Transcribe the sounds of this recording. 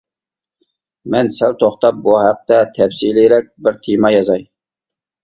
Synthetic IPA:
mɛnsɛlt̪ʰoχt̪ɑp̚buhæq̚t̪ɛt̪ʰɛbsiliɾɛk̚ʲbɪɾt̪ʰemɑjɑzɑj

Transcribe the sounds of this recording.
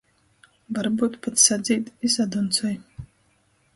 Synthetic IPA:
vaɾbuːt̪pat̪sad̪zʲiːt̪isad̪unt̪sɔj

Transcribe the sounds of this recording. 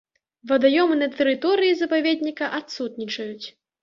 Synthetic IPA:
vɐd̪ajɔmɨnɐt̪ɛɾɨt̪ɔɾɨjizɐpavʲed̪ʲnʲikɐʔat̪sut̪nʲit͡ʂɐjut͡sʲ

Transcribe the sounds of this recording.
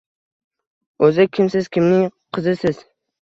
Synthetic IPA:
ɵzɪkʲʰɪmsɪz̥kʲʰɪmnɪŋqʰɨzɪsɪz̥

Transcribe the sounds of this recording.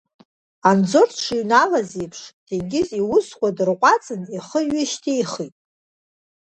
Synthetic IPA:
and͡zorʰʈ͡ʂʰinalazepʰʂd̥ʰeɡʲɪziwʊskʷʰadɨrqʷʼat͡sʼɨniχəɥɪʃtʰijχitʼ

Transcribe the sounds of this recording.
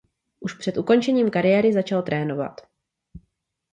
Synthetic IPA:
ʔuʃpr̝̥ɛt̪ʔuko̞nt͡ʃɛɲiːmkaɾɪjɛːɾɪzat͡ʃalt̪ɾɛːno̞va̰t̪

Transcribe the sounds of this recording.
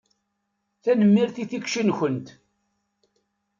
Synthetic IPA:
θænəmːiɾθiθikʃənçənt̪

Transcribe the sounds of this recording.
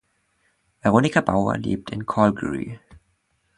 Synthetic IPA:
vɛʁoːnɪkʰabaʊɐ̰lḛːp̚tʰɪnkʰɔlɡəɹḭ

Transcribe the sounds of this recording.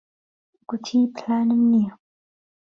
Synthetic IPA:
kutʰipʰlanəmniə

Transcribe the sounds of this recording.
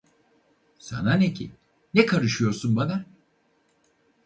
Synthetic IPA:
sa̰nanecʰḭ | nɛkʰaɾɯʃɯjo̞ɾsunbana

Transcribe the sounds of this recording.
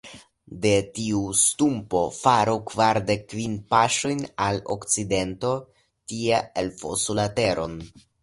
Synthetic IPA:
de̞tiustumpo̞faɾukvaɾde̞kːvinpaʃo̞jnalo̰kt͡side̞nto̞ | tieelfo̰sulate̞ɾo̞̰n

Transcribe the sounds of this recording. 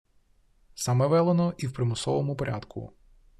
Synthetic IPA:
sɑmɛʋɛlˠenɔʔiwpɾemʊsɔʋɔmʊpɔɾʲa̰d̪kʰʊ̰

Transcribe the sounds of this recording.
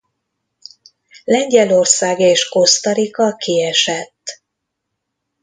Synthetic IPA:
lɛɲɟɛlo̞rsaːɡeːʃko̞st̪ɒɾikɒkiɛʃɛt̪ː

